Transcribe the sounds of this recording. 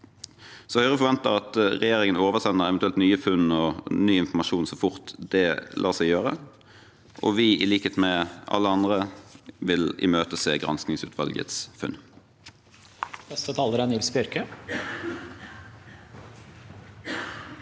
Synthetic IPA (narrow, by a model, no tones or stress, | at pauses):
sɔhœʏʁəfɔʁʋɛnt̪əʁɑt̪ʁɛjeːʁɪŋənoːʋəʁsɛnːəʁɛʋɛnt̪ʉɛlt̪nyːəfʉnɔnyːɪnfɔmɑʃuːnsɔfʊʁt̪d̪̥ɛlʔɑːʁsɛɪjøːʁə̰ | ʔɔ̰ʋɪɪliːkəheːt̪mɛʔɑ̰lːəɑnd̪ʁəʋɪlɪ̰møːt̪əseːɡʁɑ̰nsknɪŋsʉ̰ːt̪ʰʋɑ̰lɡə̰t̪sfʉ̰n | nɛst̪ət̪ʰɑːləɾænɪlsbɪœɾkə